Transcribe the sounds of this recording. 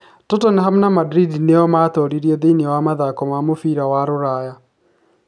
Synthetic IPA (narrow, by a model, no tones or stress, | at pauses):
tɔtɔneɦamnamadɾidinejɔmat̪ɔɾiɾiɔðenwamaðakɔmamofiɾawaɾoɾaja